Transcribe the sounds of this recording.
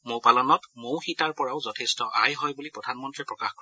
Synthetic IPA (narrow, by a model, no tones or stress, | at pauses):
mopalɔnɔtmowxitaɹpɔɹaʊzɔtʰestɔʔajɦɔjbulipɹɔdʱanmɔntɹipɹɔkaxkɔɹ